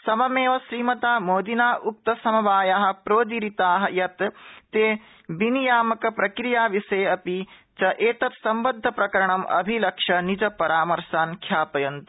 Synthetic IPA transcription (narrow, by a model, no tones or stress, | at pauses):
sɐmɐmeːʋɐsɾiːmɐt̪aːmoːd̪inaːʔuk̚t̪ɐsɐmɐʋaːjaɦɐ̆pɾoːd̪iɾit̪aːɦɐjɐt̪t̪eː | binijaːmɐkɐpɾɐkɾijaːʋiseːɐpit͡ʃɐʔeːt̪ɐt̪sɐmbɐd̪ʱːɐpɾɐkɐɾɐɳɐmʔɐ̰bʱilɐkʂɐnid͡ʒɐpɐɾaːmɐɾʃaːnkʰjaːpɐjɐnt̪